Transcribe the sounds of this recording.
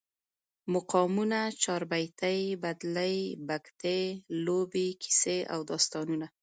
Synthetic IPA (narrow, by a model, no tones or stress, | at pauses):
mʊqɑmunat͡ʃɑɾbajt̪əjbad̪ləjbakt̪elobekʰi̥sea̰wd̪ɑst̪ɑnuna